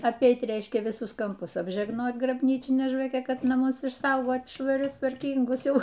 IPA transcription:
ɐpʲˈɛɪt ˈrʲɛɪʃʲkʲɛ ʋʲɪˈsʊs kɐmˈpʊs ɐbʲʒʲɛɡˈnoːt ɡrɐbʲˈnʲiːt͡ʃʲɪnʲɛ ʒʋɐˈkʲɛ ˈkɐt nɐˈmʊs ɪʃˈsɐʊɡoːt ʃʋɐˈrʲʊs tʋɐrʲˈkʲiːŋɡʊs ˈjɛʊ

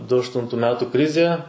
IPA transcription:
dʊ ɐʃˈtʊntʊ ˈmʲæːtʊ ˈkrʲɪzʲeː

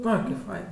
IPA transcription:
ˈoːɪ kɐɪp ˈfɐɪn

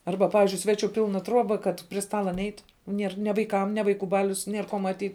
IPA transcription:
ˈɐrbɐ ˈpɑːʋʲɪzʲd͡ʒʲʊɪ ˈsʲʋʲæːˌt͡ʃʲʊ ˈpʲɪlˠnɐ ˈtruɔbɐ kɐt pʲrʲɪ ˈstɑːlˠɐ ˈnʲɛɪt ˈnʲiɛr nʲɛ ʋɐɪˈkɐm nʲɛ ʋɐɪˈkuː ˈbɑːlʲʊs ˈnʲiɛr koː mɐˈtʲiːt

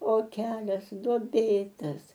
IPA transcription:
oː ˈkʲæːlʲɛs duɔˈbʲeːtɐs

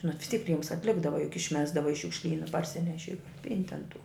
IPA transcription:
nʊ ʋʲɪs tʲiːk ˈrʲiɛms ɐtʲˈlʲɪɡdɐʋɐ jʊk ɪʃʲˈmʲæːzdɐʋɐ ɪ ʃʲʊkʃʲˈlʲiːnɐ pɐrʲˈsʲɪnʲɛʃʲɪ pʲɪnʲtʲ ɐn tʊ

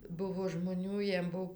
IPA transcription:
ˈbʊʋoː ʒmoːˈnʲuː ˈjiɛm ˈbʊw

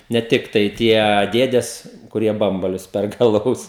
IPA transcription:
nʲɛ ˈtʲɪktɐɪ ˈtʲiɛ ˈdʲeːdʲɛs kʊˈrʲiɛ ˈbɐmbɐlʲʊs ˈpʲɛrkɐ ɐˈlˠɐʊs

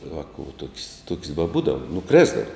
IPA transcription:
ˈʋɑːkʊ ʋɐ tuɔkʲsʲ tuɔkʲsʲ bɐˈbuːdɐw nʊˈkrʲæːzdɐʋɐ

